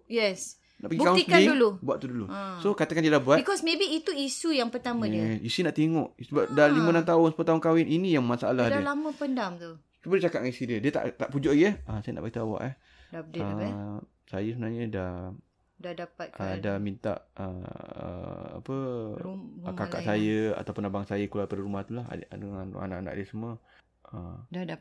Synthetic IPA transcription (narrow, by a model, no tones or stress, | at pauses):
jɛs | na̰ʔpəɡibikãt̪ikaidulubua̰ʔt̪udulũsokat̪akandiədahbuat̪bikɔsmebiːt̪uisujaŋpərt̪amə̃iɛəsisinaʔt̪eŋɔʔsəbaʔ̚dalimə̃nãmt̪aʊnsə̥pəlot̪aɦʊnkawɪnʔinijaŋmasaalahdalamə̃pəndamt̪u | t͡ʃubədiət͡ʃakat̚ŋãnisidiədiət̪a̰ʔt̪aʔpud͡ʒʊʔaɡiəhəsajana̰ʔbaɡit̪awa̰ʔah | ə | sajəsəbənaɲada | dadapaʔadamint̪a̰ʔəə̰a̰pə | kaka̰ʔsajəa̰t̪awpʊnabaŋsajakulapadəɾumaht̪ulahdəŋan̰a̰na̰ʔana̰ʔdiəsəma | əda